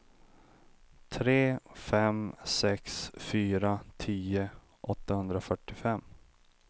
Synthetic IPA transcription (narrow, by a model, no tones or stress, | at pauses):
t̪ʰɾeːfɛmsɛksfyːɾat̪ʰiːə | ʔɔt̪ːahɵnd̪ɾafœʈːɪfɛmː